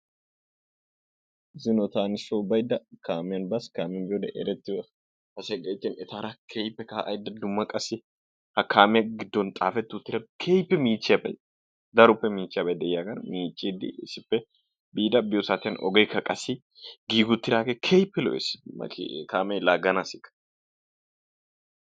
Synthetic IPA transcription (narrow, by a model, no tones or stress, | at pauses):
zɪnɔt̪aːnɪsoːbɐjd̪ɐkaːmɪjɐnbɐskaːmɐnbɪjod̪ɛʔḛɾɛt̪ːɪwɐ | hɐseɡʼɐɪt̪ːɪnɛt̪ʰaɾɐkʰejpːɛkaʔɐ̰jd̪ɐd̪ʊmːɐkʼɐsɪ | hɐkʰːaːmɪjɐɡɪd̪ːɔnt̪ʼaːfɛt̪ːɪʊt̪ːɪɾɐbkʰejpːɛmiːt͡ʃːabɐ̰j | d̪ɐɾʊpːɛmiːt͡ʃːɪɐbɐjd̪ɛjakɐnmiːt͡ʃʼːiːd̪ɪ̰sɪpːɛ | biːd̪ɐbɪjɔsaːt̪ɪɐnɔ̰ɡɛjkɐkʼɐsɪ | ɡiːɡʊt̪ːɪɾaːkekʰejpːɛlɔ̰ʔḛsmɐ̰kkaːmɛlaːɡɐnasɪkɐ̥